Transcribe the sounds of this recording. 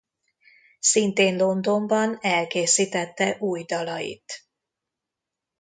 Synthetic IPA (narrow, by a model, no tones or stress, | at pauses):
sint̪eːnlo̞nd̪o̞mbɒnɛlkeːsiːt̪ɛt̪ːɛʔuːjd̪ɒlɒjḭt̪